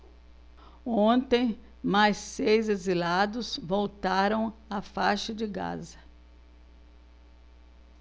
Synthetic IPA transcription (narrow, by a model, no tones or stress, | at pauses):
õnt̪ẽj̃ | majsːejzezilad̪ʊzvowt̪aɾɐ̃w̃afaʃɐd͡ʒɪɡa̰zɐ